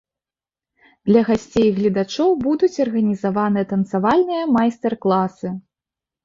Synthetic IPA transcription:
d̪̥lʲɐɣasʲt͡sʲejɣlʲid̪at͡ʂɔwbud̪ut͡sʲɐrɣɐnʲizavanɨjɐt̪ɐnt̪savalʲnɨjɐmajst̪ɛrklˠasɨ

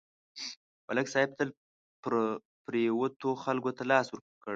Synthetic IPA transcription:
mʔalaksɑhɪb̚t̪əl | pɾ | pɾjawot̪oxalɡot̪alɑswəɾ | kəɽ

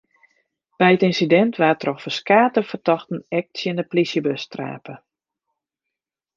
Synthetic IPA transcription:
b̥ɛjətinsidɛntʰʋaːrtrɔxfəskaːtəfərtɔxtən̩ɛk̚tsjənəplisjəbøstra̰ːpə

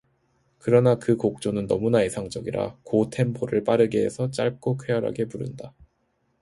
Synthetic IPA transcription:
kɯɾʌnakɯkok̚t͡ɕ͈onɯnːʌ̰munaisʰaŋd͡ʑʌɡiɾa̰kotʰe̞mpʰoɾɯɭp͈aɾɯɡe̞ːsʰʌt͡ɕ͈aɭ̚k͈okʰwejʌɾa̰ɡe̞puɾɯ̰nda

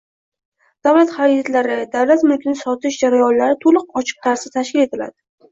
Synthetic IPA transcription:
d̪̥awlat̪χaɾɛkʲat̪laɾɪd̪awlat̪mʊlkʲnɪsɒt̪ɪʃd͡ʒaɾajɒnlaɾɪt̪ʰolˠɨqɒt͡ʃʰɨ̥q̚t̪ʰaɾsɪt̪ʰaʃkʲɪle̞t̪ʰɪla̰d̪̥ɪ

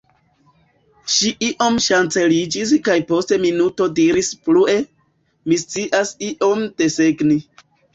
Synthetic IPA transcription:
ʃiʔiʔo̞mʃant͡se̞lid͡ʒiskajpo̞ste̞minuto̞diɾisplue̞ | mist͡siʔasiʔo̞md̥e̞seɡni

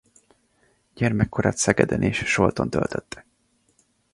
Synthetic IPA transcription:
ɟ̥ɛrmɛkːoɾaːt̪sɛɡɛd̪ɛnʔeːʃʃo̞lt̪o̞nt̪ø̰lt̪ʰøt̪ːɛ̥

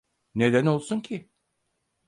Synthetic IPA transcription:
ne̞d̪æno̞lˠsuncʰɪ

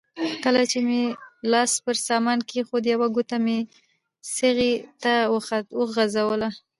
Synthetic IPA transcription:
kəlat͡ʃemelɑspəɾsɑmɑnkexod̪əjawaɡut̪ame | səɣet̪awəɣazawəla

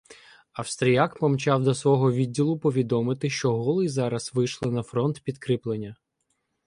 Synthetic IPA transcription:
ɐwst̪ɾʲijakpɔmt͡ʃɑwd̪ɔsʋɔɦɔʋʲidʲːilˠʊpɔʋʲid̪ɔmɪt̪ɪʃt͡ʃɔɦɔlˠɪjzɑɾɐzʋɪʃlˠɪnɐfɾɔnt̪pʲid̪kɾɪplˠenʲːɐ

